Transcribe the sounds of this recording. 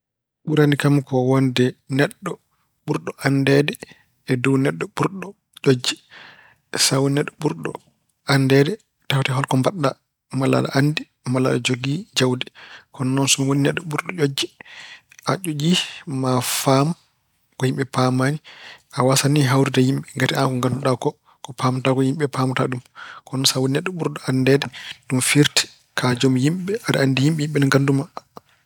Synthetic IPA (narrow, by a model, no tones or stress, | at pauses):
ɓuɾanikamkʰɔwɔndɛnɛɗːɔ | ɓuɾɗɔʔandɛdɛ | ɛduwnɛɗːɔɓuɾɗɔ | d͡ʒod͡ʒːi | sawnɛɗːɔɓuɾɗɔ̰ | andɛdɛ | taftɛɦɔlkɔmbaɗːa | mala̰ɗa̰ʔandi | mala̰ɗɔd͡ʒoɡid͡ʒawdɛkɔnnɔnsumawoninɛɗːɔɓuɾɗɔʔod͡ʒːi | ʔat͡ʃod͡ʒimafam | kɔhimɓɛpamaniʔawasaniɦawɾidajimɓɛŋɡatiankɔŋɡanduɗakɔ | kɔpamatakɔhimɓɛpʰaːmataɗumkɔnɔnsawoninaɗːɔɓuɾɗɔandɛdɛɗumfiɾti̥ | kʰad͡ʒomjimɓɛadaandijimɓɛjimɓɛnɛŋɡanduma